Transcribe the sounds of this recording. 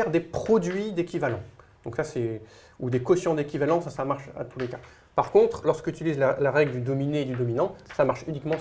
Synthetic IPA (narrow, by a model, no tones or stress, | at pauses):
ɛʁd̪epχɔd̪ɥid̪ekʲivalɑ̃d̪̥ɔ̃ksasɛ | ud̪ekɔsjɔ̃d̪ekʲivalɑ̃sasamaʁʃa̰t̪ʰuleka | paʁkɔ̃t̪χlɔʁskyt̪ilizlalaʁɛɡləd̪yd̪ɔmineːd̪yd̪ɔminɑ̃samaʁʃynikmɑ̃